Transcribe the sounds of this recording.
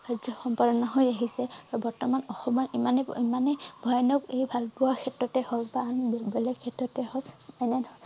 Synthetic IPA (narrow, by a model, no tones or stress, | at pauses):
ɹazɔxɔmpadɔnaɦojaɦisɛabɔɹtɔmanɔxɔmɔɹimanimanɛbʱɔjɔnɔkejbʱalpʊwakʰɛtɹɔtɛhɔlpanbɛlɛkkʰɛtɹɔtɛɦɔlɛnɛn